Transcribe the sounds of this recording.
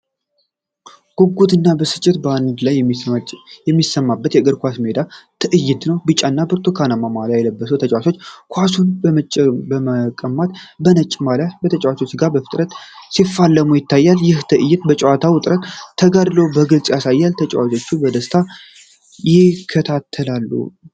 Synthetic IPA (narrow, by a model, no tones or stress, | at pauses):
ɡ̥oɡːud̪ɨnːabəsɨ̥t͡ʃʼːɪt̪band̪laj | jɛmːisːəmːabːət̪jɛɡəɾkʷasmed̪at̪ʰɨʔɨjːɪt̪nəwbɨt͡ʃʼanːabɨɾt̪ʰokʰanəmamalajɛləbːəsəwt̪ʰət͡ʃʼwat͡ʃo̞t͡ʃːkʰʷasunbəməbəməkʼəmːat̪bənət͡ʃʼːmalabət̪ʰət͡ʃʼwat͡ʃo̞t͡ʃːɡabəfɨ̥t̪ʼɾət̪sifːalːəmujɪt̪ʰːajːaljɪht̪ʰɨʔɨjːɪt̪bət͡ʃʼɛwat̪ʰawʊt̪ʼɾət̪ʰːəɡad̪lowbəɡɨlsʼjasajːalt̪ʰət͡ʃʼwat͡ʃʼo̞t͡ʃːubəd̪əst̪ʰa | jɪkʰːət̪ʰat̪ʰːəlalːṵ